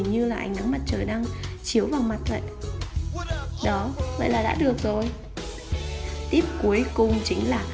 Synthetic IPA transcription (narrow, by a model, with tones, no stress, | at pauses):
ɲɨ˧laː˨˩ʔa˧jŋ̟na˨˦ŋma˨˩t̚t͡ɕəː˨˩jɗaː˧ŋt͡ɕi˨˦əwvaː˨˩wma˨˩t̚və̰˧˨j | ɗɔ˨˦və̰˧˨jlaː˨˩ɗa̰ː˧˥ɗɨ˨˩ək̚zo˨˩j | t̪i˦˥əp̚ku˨˦əjkʊ˨˩ŋ͡mt͡ɕï˨˦ŋ̟laː˨˩